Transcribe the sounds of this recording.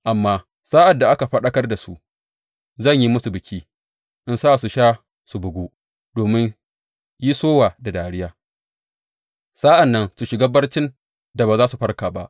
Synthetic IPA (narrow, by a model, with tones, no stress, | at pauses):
ʔa˨mːaː˦ | saː˦ʔa˨dːa˨ʔa˦ka˨ɸɐ˦ɗɐ˦kɐ˦rda˨sṵ˦ʔ | zɐ˦˨ɲji˦mʊ˦su˨bɪ˨kʲiː˦ | ʔɪ˦nsaː˦˨su˨ʃaː˦ | su˨bʊ˨ɡʷuː˦ | doː˨mɪ˦n | ji˦soː˦waː˨da˨daː˨ɽɪ˦jaː˦ | saː˦ʔa˨nːɐ˦nsu˨ʃɪ˨ɡa˦bɐ˦rt͡ʃɪ˦n | da˨baː˨zaː˦su˨ɸɐ˦rkaː˨ba̰˦ʔ